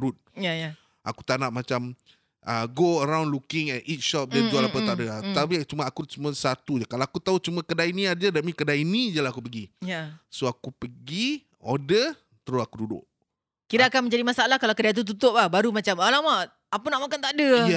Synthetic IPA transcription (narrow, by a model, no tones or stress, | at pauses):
ɾut̪̚jaja | ʔa̰kut̪anaʔ̚mat͡ʃam | ʔəɡoəɾawndlukɪŋɛt̪it̪̚ʃɔp̚dɛualapət̪adəat̪apit͡ʃumãakut͡ʃumasat̪ud͡ʒakalawakut̪aɦut͡ʃumãkədainĩad͡ʒadamĩkədainĩd͡ʒəlaakupəɡijasoakupəɡi | odə | t̪əɾʊsakududʊ̰ʔ | kiɾaakanmə̃ɲd͡ʒadimasaalahkalawkədat̪̬ut̪̬ut̪ʊp̚lahbaɾumat͡ʃamalama | apənaʔmakant̪aʔdəja